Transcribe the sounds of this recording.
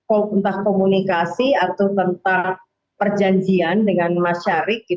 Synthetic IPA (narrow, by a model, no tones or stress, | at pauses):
oənt̪ahkomunikasiat̪awt̪ənt̪a | pərd͡ʒaɲd͡ʒiandəŋanmaʃaɾɪk̚i